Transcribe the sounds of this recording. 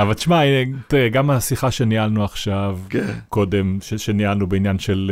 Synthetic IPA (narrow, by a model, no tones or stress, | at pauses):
avalt̪iʃmainet̪iʁɛɡamasiχaʃe̞nialnuaχʃavkko̞demʃeʃenialnubeinjanʃe̞l